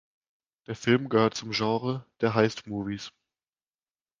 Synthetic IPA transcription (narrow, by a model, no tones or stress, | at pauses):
d̥eːɐfɪlmɡəhøːɐtt͡sʊmʒɑ̃ːʁəd̥eːɐɦaɪstmuːvis